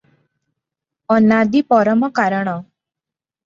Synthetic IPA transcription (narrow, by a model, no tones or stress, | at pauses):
ɔnad̪ipɔɾɔmɔkaɾɔɽ̃ɔ